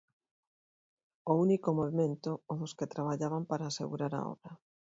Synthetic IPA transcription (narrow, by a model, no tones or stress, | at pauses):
ounikomoβimẽnt̪ʊoðʊsket̪ɾaβ̞aʎaβampaɾaːsḛɣuɾaɾa̰ɔ̰βɾɐ